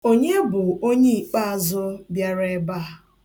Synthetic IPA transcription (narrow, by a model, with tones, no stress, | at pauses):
o˦ɲe˦bʊ˨o˦ɲe˦i˨k͡pa˦a˨zʊ˦bja˦ɾe˦ba˦˨